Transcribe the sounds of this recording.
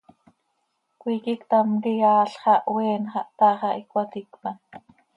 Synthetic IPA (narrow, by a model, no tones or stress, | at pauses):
kʷiːkikt̪amkijɑːɬχɑʔwɛːnχɑʔt̪ɑːχɑʔikwat̪ikpɑn